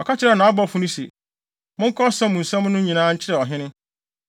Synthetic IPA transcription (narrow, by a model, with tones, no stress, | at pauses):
ɔ˨ka˦t͡ɕʰɪ˦ɾɛ˨nã˨a˦bɔ˦˨fʊ̃˦nʊ̃˦sḛ˨ | mʊ̃˦ŋ̩˦kʰɔ˦sã˦mʊ̃˨n̩˨sã˦m˦nʊ̃˦ɲĩ˨nãː˦ɲ̩˦t͡ɕʰɪ˦ɾɛ˨ɔ˨ɦɪ̃˦nɪ̃˦